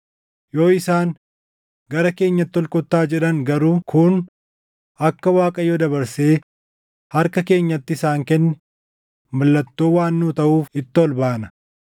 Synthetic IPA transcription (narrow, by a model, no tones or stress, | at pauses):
jo̞ːɪsaːŋ | ɡɐɾɐke̞ːɲːɐt̪ːɔlkʼɔt̪ːaːd͡ʒɛᶑɐŋɡɐɾuːkʰʊn | ɐkːɐwaːkʼɐjod̪ɐbɐɾse̞ː | hɐɾkɐke̞ːɲːɐt̪ːɪɪsaːŋkɛnːɛ | mɐlːɐt̪ːoːwaːnːuːt̪ɐʔuːfɪt̪ːɪɔlbaːnɐ